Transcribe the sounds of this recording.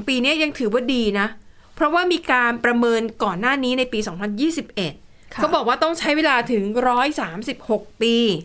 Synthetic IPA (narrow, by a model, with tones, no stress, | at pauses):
piː˧ni˦˥ɐja˧ŋt̪ʰɯː˩˦waː˥˩diː˧na˦˥ | pʰɾɔ˦˥waː˥˩miː˧kaː˧npɾa˧mɤː˧nkɔː˨˩nːaː˥˩niː˦˥na˧jpiː˧sɔː˩˦ŋpʰa˧njiː˥˩si˨˩p̚ʔe˨˩t̪̚ | kʰa˦˥bɔː˨˩k̚waː˥˩t̪ɔ˥˩ŋt͡ɕʰa˦˥jweː˧laː˧t̪ʰɯ˩˦ŋɾɔː˦˥jsaː˩˦msi˨˩p̚ho˨˩k̚piː˧